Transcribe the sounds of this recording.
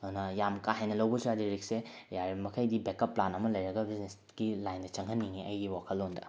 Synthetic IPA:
nɐjamkaɦajnɐlɐwbɐsɾadiɾik̚sejaɾimɐkʰɐjdibekɐpːlanɐmɐlɐjɾɐɡɐbiznes | ɡilajndɐt͡ʃɐŋɦɐnːiŋiɐ̰jɡiwakʰɐlːondɐ̰

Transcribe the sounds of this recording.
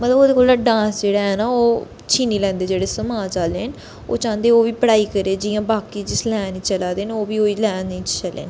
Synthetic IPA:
mət̪ləboːd̪eːkoːlãɖãːnsd͡ʒeːɽaːɦɛːnaːoː | t͡ʃʰiːniːlɛ̃ːnd̪eːd͡ʒeːɽeːsəmaːd͡ʒaːleːn | o̰ːt͡ʃãːnd̪eːoːʋiːpəɽaːiːkəɾeːd͡ʒɪjãːbaːkiːd͡ʒɪslɛːnit͡ʃəlaːd̪eːnoːʋiːoːiːlɛːnĩt͡ʃt͡ʃəlḛːn

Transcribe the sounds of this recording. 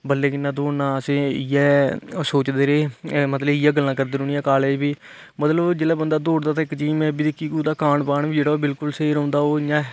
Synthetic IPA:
bəlːeːkɪnãːd̪oːnãːəsẽːɪjɛːsoːt͡ʃd̪eːɾeːmət̪ləbɪjaːɡəlːãːkəɾd̪eːɾoːnijãːkaːlɛːd͡ʒbiː | mət̪ləbd͡ʒeːlaːbənd̪aːd̪oːɽd̪aːt̪ãːɪkd͡ʒiːmɛ̃ːbiːd̪ɪkːiːkuːd̪aːkaːɳpaːɳʋiːd͡ʒeːɽaːoːbɪlkʊlseiːɾõːnd̪aːoːɪjãː

